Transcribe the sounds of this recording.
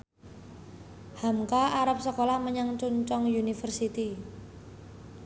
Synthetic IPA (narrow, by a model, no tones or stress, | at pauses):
hamkaaɾap̚səkolaməɲaŋt͡ʃuɲt͡ʃɔŋjunifərsit̪i